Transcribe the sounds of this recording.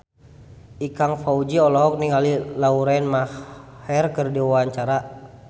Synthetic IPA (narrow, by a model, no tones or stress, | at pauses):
ikaŋfaud͡ʒiɔlɔɦɔk̚niŋalilauɾainmahhɛrkərdiwaaɲt͡ʃaɾa